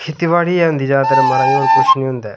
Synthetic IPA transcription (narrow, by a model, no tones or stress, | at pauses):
kʰɪt̪iʋaːɽiːɛːɦʊ̃nd̪iːd͡ʒaːt̪əɾməɾãokʊt͡ʃʰnĩːɦʊ̃nd̪ɛː